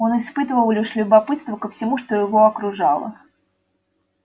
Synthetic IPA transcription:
onɨspɨt̪əvəlˠlʲiʂlʲʊbapɨt̪st̪vəkəfsʲɪmuʂt̪ojɪvoɐkɾʊʐɑlˠə̰

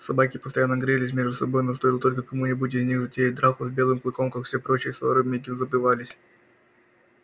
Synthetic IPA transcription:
sɐbakʲɪpə̥st̪ɐjanːəɡɾʲɛlʲɪs̬ʲmʲeʐd̪ʊsɐbo̞jnost̪oilˠət̪o̞lʲkəkɐmunʲɪbutʲɪzʲnʲixzətʲejʲɪt̚ʲd̪ɾaxʊzbʲe̞lˠɨmklˠɨko̞mkakfsʲepɾo̞t͡ɕɪjəsˠoɾɨmʲedʲɪmzəpɨvalʲɪsʲ

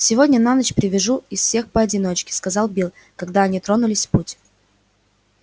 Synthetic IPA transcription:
sʲɪvo̞dʲnʲənanət͡ɕpɾʲɪvʲɪʐuɪsfʲsʲe̞xpəɐdʲɪno̞t͡ɕkʲɪ̥skɐzɑlˠbʲilˠ | kɐɡd̪aɐnʲit̪ɾo̞nʊlʲɪsʲputʲ

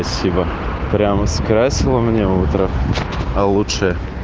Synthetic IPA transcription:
ɐsʲibə | pɾʲaməskɾasʲilˠəmnʲeut̪ɾəɐlˠuʂɨjə

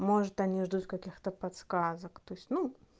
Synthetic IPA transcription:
mo̞ʐɨt̪ɐnʲiʐd̪ut̪kɐkʲixt̪əpɐt̪skazəkt̪o̞ɪsʲtʲnu

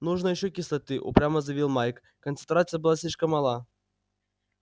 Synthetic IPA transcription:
nuʐnəjɪɕːokʲɪslˠɐt̪ɨʔṵpɾʲaməzɐvʲilˠmajk | kənsɨnt̪ɾat̪sɨjəbɨlˠasʲlʲiʂkəmːɑlˠa

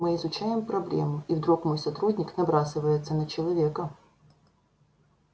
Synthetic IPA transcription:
mɨɪzʊt͡ɕæjɪmpɾɐblʲḛmʊivd̪ɾukmojsɐt̪ɾudʲnʲɪknɐbɾasɨvəjɪt̪sːənət͡ɕɪlˠɐvʲekə

